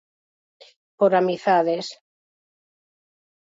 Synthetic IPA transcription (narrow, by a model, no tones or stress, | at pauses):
poɾamiθaðes